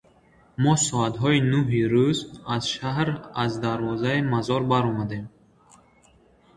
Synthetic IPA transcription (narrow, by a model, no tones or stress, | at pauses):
mɔsɔat̪ɦɔinuɦiɾuzaz̥ʃaɦɾazd̪aɾvɔzaimazɔɾbaɾɔmad̪e̞m